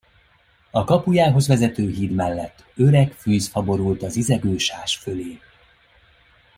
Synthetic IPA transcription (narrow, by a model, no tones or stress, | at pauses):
ɒkɒpujaːɦo̞zvɛzɛt̪øːɦiːd̪mɛlːɛt̪ːø̞ɾɛkfyːzhɒbo̞ɾult̪ɒzizɛɡøːʃaːʃføleː